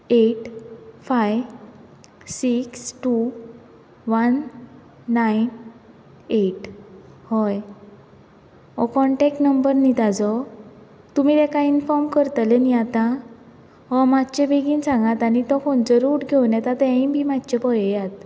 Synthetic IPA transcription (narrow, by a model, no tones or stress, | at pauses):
eʈfaj | siksʈu | ʋənː | ajn | eʈhɔj | ɔkɔɳʈɛkʈnəmbəɾnit̪ad͡zɔ | t̪umit̪ɛkainfɔɾmkəɾt̪əlɛniat̪a | ɦɔmat̪t͡ɕẽbʱeɡinsãŋɡat̪anit̪ɔkʰõnt͡ɕɔɾuːʈɡʱewnjɛt̪at̪ɛ̃ĩbʱimad̪t͡ɕepɔjjat̪